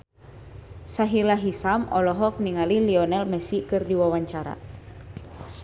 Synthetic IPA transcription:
saɦilaɦisamɔ̰lɔɦɔk̚niŋaliliɔnɛlmɛsikɨrdiwawaɲt͡ʃaɾa̰

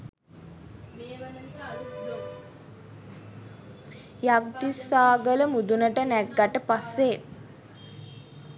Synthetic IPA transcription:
jakd̪isːaːɡələmud̪unəʈənæɡːaʈəpasːe

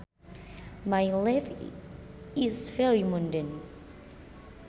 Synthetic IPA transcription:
majlaf | isfɛɹimɔ̃ndə̃n

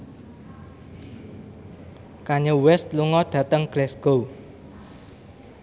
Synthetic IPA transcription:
kaɲəwɛst̪luŋɔɖ̥ä̤t̪əŋɡ̥ɾɛsɡ̥o

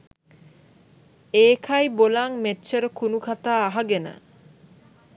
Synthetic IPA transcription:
eːkʰɐjbolaŋmetːʃəɾəkunukʰat̪aːaɦaɡenə̰

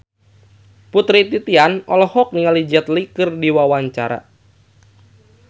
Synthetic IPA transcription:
put̪ɾit̪it̪ianɔlɔhɔk̚niŋalid͡ʒɛt̪likɨrdiwawaɲt͡ʃaɾa̰

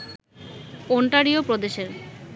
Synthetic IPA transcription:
oɳʈaɾiopɾod̪eʃeɾ

